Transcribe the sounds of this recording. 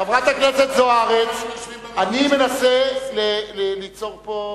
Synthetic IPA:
avʁat̪akneset̪zoaʁet͡sanime̞naselelelit͡so̞ʁpo

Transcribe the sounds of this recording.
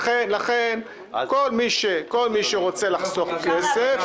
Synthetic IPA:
χenlaχen | ko̞lmiʃeko̞lmiʃeʁo̞t͡selaχsoχkesef

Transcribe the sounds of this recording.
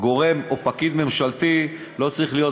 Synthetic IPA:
ɡo̞ʁe̞mopakid̪me̞mʃalt̪i | lo̞t͡saʁiχlijo̞

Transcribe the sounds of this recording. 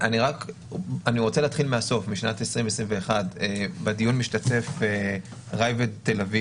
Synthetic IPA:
ʔaniʁak | aniʁo̞t͡seleaːt̪χilmeaso̞fmiʃnatesʁimesʁimve̞ːχadebadijunmiʃtate̞fe | ʁajvedtelavi

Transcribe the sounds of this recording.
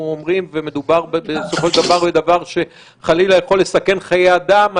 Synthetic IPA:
uomʁimveme̞d̪ubaʁbebeso̞foʃeldavaʁbed̪avaʁʃe̞ | χalilajaχo̞lːe̞sake̞nχajead̪ama

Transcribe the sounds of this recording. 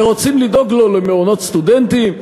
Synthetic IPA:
ʁot͡simlid̪oɡlolemeonot̪st̪ud̪ent̪im

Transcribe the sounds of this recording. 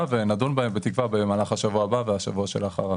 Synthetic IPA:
ave̞nad̪unbaembe̞t̪ikvabemaːlaχaʃavuabaveaʃavuaʃelaχa̰ʁa

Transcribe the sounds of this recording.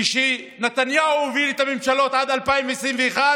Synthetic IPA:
iʃi | net̪anjauovilet̪amemʃalo̞t̪ad̪alpaimveesʁimveːχa

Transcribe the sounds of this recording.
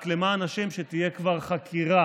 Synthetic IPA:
klemaːnaʃemʃet̪ije̞kvaʁχakʰiʁa

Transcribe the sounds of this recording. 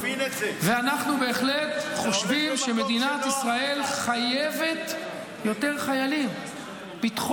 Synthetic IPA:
veanaχnube̞ːχle̞t̪χo̞ʃvimʃe̞me̞d̪inat̪isʁae̞lχajeve̞t̪ | jo̞t̪e̞ʁχajalim | bit̪χ

